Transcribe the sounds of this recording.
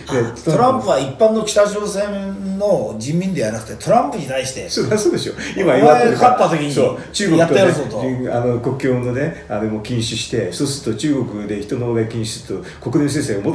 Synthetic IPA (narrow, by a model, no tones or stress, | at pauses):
ad̪eo̞ɾãmpɯ̟βaipːãnːo̞kʲi̥t̪aʑo̞ːsẽ̞nno̞d͡ʑĩmːʲĩnd̪e̞janakɯ̟t̪et̪o̞ɾãmpɯ̟ɲ̟it̪aiɕi̥t̪e̞soasoːd̪eɕoimaiakap̪ːat̪ekʲiɲisot͡ɕɨːɡojat̪ːajsot̪oanoko̞kːʲjo̞ːno̞ne̞anomoːkʲĩɰ̃ɕɨɕi̥t̪e̞so̞ːsɨɾɯ̥t̪ot͡ɕɨːɡo̞kɯd̪e̞çi̥t̪o̞nobɡakʲĩɕi̥sɨɾt̪o | ko̞kɯd̪ẽs̬ẽ̞seɡamo